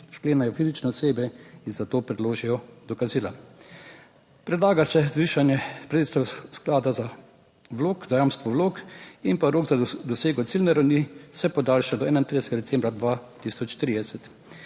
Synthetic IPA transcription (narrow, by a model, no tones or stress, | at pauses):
ʃkleːnajɔfizit͡ʃnɛɔseːbɛinzat̪oːpɾɛd̪loːʒijɔd̪ɔkaziːla | pɾɛd̪laːɡasɛzʋiːʃanjɛpɾet̪et̪st̪ɛwsklaːd̪aza | ʋloːkz̥ajaːmst̪ʋɔʋloːkinpaɾoːɡzad̪ɔseːɡɔt̪silnɛɾawnisɛpɔd̪aːlʃad̪ɔɛːnaint̪ɾid̪ɛsɛɡad̪ɛt̪sɛmbɾad̪ʋat̪isɔt͡ʃt̪ɾiːd̪ɛsɛt̪